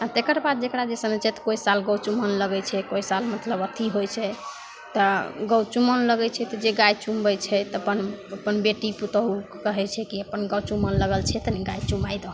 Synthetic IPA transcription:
at̪ekəɾbad̪̚d͡ʒekɽad͡ʒesənət͡ʃʰɛt̪ɔ̥koisalɡəwt͡ʃumənləɡɛt͡ʃʰɛkoisalmət̪ləbət̪ʰiɦojt͡ʃʰɛ | t̪ɔɡəwt͡ʃumənləɡɛt͡ʃʰɛt̪ɔd͡ʒeɡajt͡ʃumbɛt͡ʃʰɛt̪əpənəpənbeʈiput̪əɦukəɦɛt͡ʃʰɛkiəpənɡəwt͡ʃumənləɡəlt͡ʃʰɛt̪ɔnɛɡajt͡ʃumajd̪əɦ

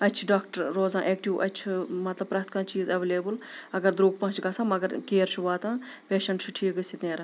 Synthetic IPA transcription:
ɐtːt͡ʃʰiɖaːkʈɐɾːoːzãːʔeːk̚ʈiʋwʔɐ̰tːt͡ʃʰmɐt̪lɐb̚pɾaːkt̪ʰkãːt͡ʃiːzɐʋeːleːbɨlɐɡɐɾd̪ɾuːɡ̚pɐ̃ːt͡ʃʰɡɐsãːmɐɡɐɾkeːɾt͡ʃʰuʋaːt̪ãːpeːʃɐɳʈt͡ʃʰuʈʰiːkɡɨsit̪neːɾɐ

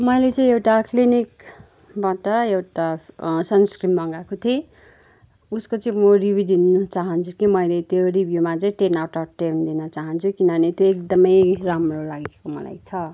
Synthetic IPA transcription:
mʌjlet͡sʌĩewʈaklinik | baʈʌewʈasʌnskrimʌŋɡakot̪ʰe | uskot͡sʌĩmoribid̪inʌt͡saɦʌnt͡sʰukimʌjlet̪joribʱjomat͡sʌĩʈenawʈʌʈend̪inʌt͡saɦʌnt͡sʰukinʌnet̪joek̚d̪ʌmʌjramrolaɡekomʌla̰jt͡sʰʌ

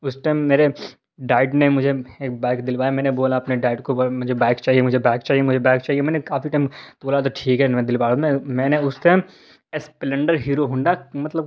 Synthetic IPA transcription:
ʊsʈaːɪmːeːɾe | ɖaːɪɖnemʊd͡ʒʱeeːk̚baːkd̪ɪlpaːjamɛ̃ːneboːlaɐpneɖaːɪɖkomʊd͡ʒʱebaːɪkt͡ʃaːɦiemʊd͡ʒʱebaːkt͡ʃaːɦiemʊd͡ʒʱebaːkt͡ʃaːɦiemɛ̃ːnekaːfiʈaːɪmt̪oːlat̪oʈʰiːkɦɛnmẽd̪ɪlpaːomẽmɛ̃ːneʊsʈaːm | esplə̃ɳɖəɾɦiːɾoɦʊ̃ɳɖamɐt̪ləb

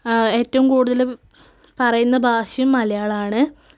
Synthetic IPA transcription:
e̞ːtːɐʋumkuːɽuðɐl | pɐrɐjunːɐbʱaːɕɐjumːɐlɐjaːɭaːɳɨ

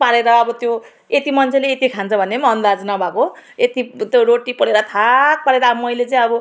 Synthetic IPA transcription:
paɽeɾʌːbʌt̪jo | et̪imʌnt͡sʰeleet̪ikʰãnt͡sʰʌbʱʌnemʌnd̪ad͡znʌbʱakoet̪it̪joɾoʈipʌɽeɾʌt̪ʰak̚paɽeɾʌbmʌjlet͡sʌj̃ʌbʌ

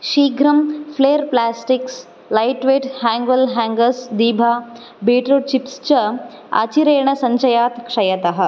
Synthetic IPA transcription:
ʃiːɡʱɾɐmfleːɾplaːsʈiks | lajʈʋeːʈhæ̃ːŋɡɐlɦæːŋɡɐsd̪iːbʱaː | beːʈɾot͡ʃipst͡ʃɐ | a̰t͡ʃiɾeːɳɐsɐɲt͡ʃɐjaːt̪kʂɐjɐt̪ɐɦɐ̆

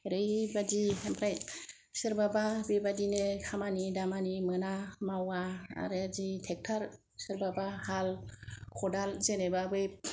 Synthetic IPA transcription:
ɾɯjbadiampʰɾaj | sɯɾbababibadinekʰamanidamanimɯnamawaa̰ɾɯzitʰɛk̚tʰaɾ | sɯɾbabahalkʰɔdalzenebabɯj

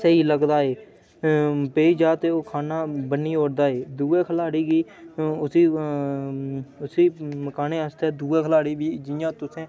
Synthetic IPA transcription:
seːiːləɡd̪aːeː | peːiːd͡ʒaːt̪eːoːkʰaːnaːbənːiːoːɽd̪aːeːd̪uːeːkʰəlaːɽiːɡiːʊsiː | ʊsiːməkaːnẽːəst̪ɛːd̪uːeːkʰəlaːɽiːʋiːd͡ʒɪjãːt̪ʊsẽː

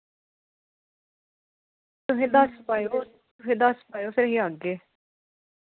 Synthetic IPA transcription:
t̪ʊɦẽːd̪aspaːjoː | t̪ʊɦẽːd̪aspaːjoːpʰɪɾɦiːaɡeː

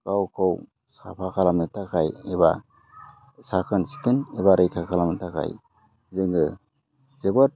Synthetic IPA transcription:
kawkʰow | sa̰pʰakʰalamɯtʰakʰajeβa | sakʰɯnsi̥kʰɯnebaɾɯjkʰakʰalamɯtʰakʰa̰j | zɯŋɡɯ | zebɔt̚

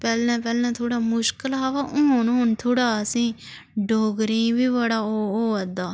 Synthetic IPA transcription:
pɛːlɛ̃ːpɛːlɛ̃ːt̪ʰoːɽaːmʊʃkəlaːʋaːʔʊ̃nɦʊnt̪ʰoːɽaːsĩː | ɖoːɡɾĩːʋiːbəɽaːooːəd̪aː

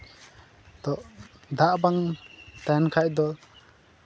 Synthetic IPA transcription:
d̪ɔʔd̪aʔbaŋt̪ajnkʰajd̪ɔ

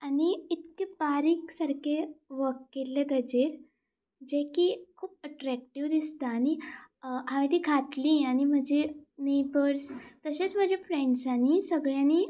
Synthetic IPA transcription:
añiit̪kebaɾiːksəɾkeʋəkːelːed̪əd͡ʑeɾ | d͡ʑekikʰuːp̚əʈɾæk̚ʈiʋd̪ist̪aːɽ̃i | ɦaʋeʈ̪iːkʰat̪lĩːaɽ̃im̤əd͡ʑenebəɾst̪əɕet͡sm̤əd͡ʑefɾeɳɖsañisəɡɭjani

